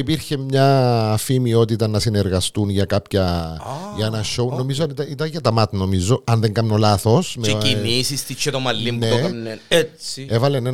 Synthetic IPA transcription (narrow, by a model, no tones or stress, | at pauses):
ipiɾçemɲɐːfimio̞t̪it̪ɐnːɐsineɾɣɐst̪unʝɐkapçɐ | ʝɐenɐʃo̞uno̞mizoɐnit̪ɐit̪ɐɲʝɐt̪ɐmɐt̪nomizo̞ɐnðeŋɡɐmnolaθosmeinisist̪it͡ʃːet̪omɐlːimpnueokneeevɐlene